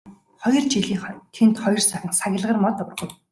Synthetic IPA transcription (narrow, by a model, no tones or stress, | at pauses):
χɔjɞ̆rt͡ɕiɮiːŋχɔnt̪ʰent̪χɔjɞ̆rsæχʲə̆ŋsaɣʲɪ̆ɮʁə̆rmɔt̪ɔr̆ʁŭw